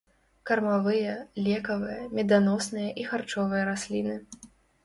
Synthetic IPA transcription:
kɐrmavɨjɐlʲɛkɐvɨjɐmʲɛd̪anɔsnɨjɐʔixart͡ʂɔvɨjɐɾasʲlʲinɨ

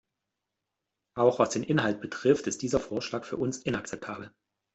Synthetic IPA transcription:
ʔaʊxv̥asd̥eːnʔɪnɦalt̚b̥ətʁ̥ɪftɪst̚d̥iːzɐfoːɐʃlaːkfyːɐʔʊnsʔɪnak̚t͡sɛp̚tʰaːbl̩

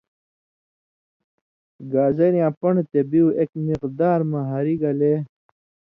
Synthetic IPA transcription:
ɡaːzɐɾjãːpɐɳɖt̪ebiuʔekmiqd̪aːɾmɐɦaːɾiɡɐle

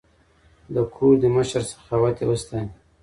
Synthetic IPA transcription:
d̪əkʰud̪əməʃəɾsə̥xawat̪ʰewəst̪an

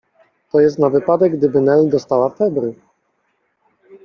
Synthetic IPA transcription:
t̪ɔjɛst̪navɘpad̪ɛɡd̪ɘbɘnɛld̪ɔst̪awafɛbɾɘ

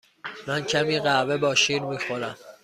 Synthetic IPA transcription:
mæncʰæmiːɢævebɒːʃiːɾmiːxoɾæm

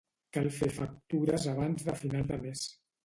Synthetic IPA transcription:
kalˠfefək̚t̪uɾəzaβ̞anzðəfinalˠd̪əmes

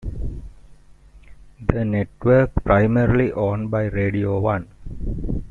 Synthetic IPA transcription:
d̪əneʈʋəɾkpɾaɪməɾliʔɔ̃ːnbaɪɾeːɖioːʋʌ̃n

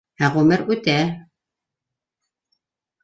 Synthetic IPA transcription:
hæʁɵmɘɾʉt̪æ

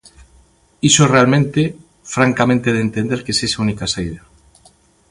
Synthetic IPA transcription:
isorealmẽnt̪e | fɾaŋkamẽnt̪eðent̪end̪eɾkesesaunikasaiða

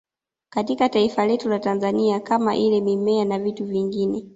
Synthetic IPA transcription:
katikataifalɛtulatanzaniakama̰ʔilɛmimɛanavituviŋɡinɛ

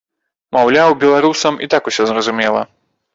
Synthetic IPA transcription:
mawlʲawbʲɛlˠaɾusɐmḭt̪akusʲɔzɾɐzumʲɛlˠɐ

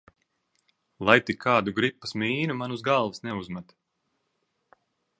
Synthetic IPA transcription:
lˠajt̪ikʰːaːd̪uɡɾipːḁsmiːnumanuzɡalˠvɨsnɛuzmat̪

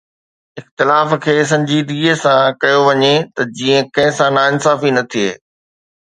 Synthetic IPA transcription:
ɪxt̪ɪlaːf̆kʰeːs̬ɐ̃ɲd͡ʑiːd̪ɡiːəsãkɐjoʋɐɲet̪ɐd͡ʑiːə̃kɐ̃ɦɪ̃sãnaːɪnsaːfinɐt̪ʰiḛː

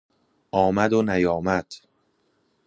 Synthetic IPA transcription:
ʔɒːmæd̪onæjɒːmæd̪̥

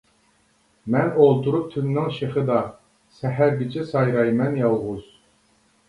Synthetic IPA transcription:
mɛnolˠt̪ʰuɾup̚t̪ʰynːɪŋʃeχɨd̪ɑ | sɛɦæɾɡʲit͡ʃʰɪsɑjɾɑjmɛnjɑlˠʁuz̥

